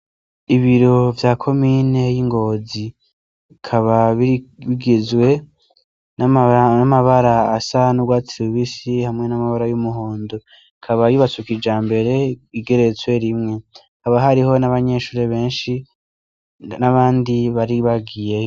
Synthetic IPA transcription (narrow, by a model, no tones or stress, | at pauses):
iβiɾo̞vjaːkʰo̞mine̞jiŋɡo̞ːzi | kʰaβaββiɡezwe̞ | nnamaβaɾaːsanuɡwaːtiɾuβisihamŋe̞namaβaɾajumuɦo̞ːndo | ikʰaβajiβat͡sukid͡ʒaːmbe̞ɾe̞iɡe̞ɾe̞t͡swe̞ɾimŋe̞ikaβaɦaɾiho̞naβaɲe̞ːʃuːɾe̞βe̞ːnʃi | naβaːndiβaɾiβaɡije